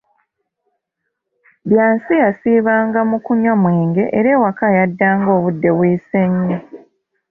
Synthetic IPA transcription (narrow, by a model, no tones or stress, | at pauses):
βjaːnsijasiːβaːŋɡamukuɲomwe̞ːŋɡe̞ʔeɾe̞ːwakajadːaːŋɡo̞ːβudːe̞βwiːse̞ɲːi